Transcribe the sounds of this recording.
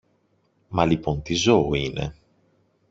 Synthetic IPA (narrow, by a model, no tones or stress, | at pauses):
mɐlipo̞nt̪izo̞ːine̞̰